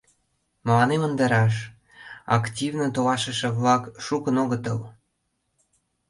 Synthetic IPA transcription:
mə̆lɑnemənd̪ɑɾɑʃ̬ | ɑ̰ktʲivnət̪olɑʃə̆ʃə̆βlɑkʃukənoɣət̪əl

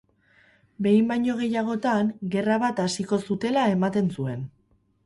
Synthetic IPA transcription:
be̞jmbajɲo̞ɣ̞e̞jaɣ̞o̞t̪aŋɡe̞raβat̪asiko̞sut̪e̞lae̞mat̪e̞nsue̞n

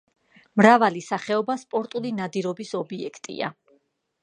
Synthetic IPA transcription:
mɾavalisaχɛɔbaspʼɔɾt̪ʼulinad̪iɾɔbisɔbiɛkʰt̪ʼḭa̰

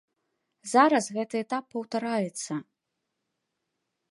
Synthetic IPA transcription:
zaɾɐsɣɛt̪ɨɛt̪apːɐwt̪aɾajɛt̪sːɐ

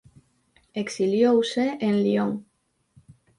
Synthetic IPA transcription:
eksiljowseʔenlioŋ

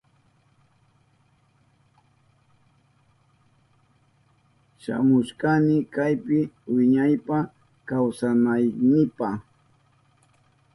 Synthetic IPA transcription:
ʃa̰mʊʃkanɪkajpɪwɪɲajpa | kawsanajnɪpa

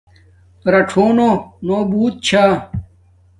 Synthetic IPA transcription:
ɾɐʈʰoːnonoːbuːt̪̚t͡ɕʰaː

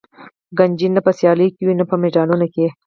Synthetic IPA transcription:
ɡand͡ʒinːapəsjɑləjkewinapəmeɖɑnunoke

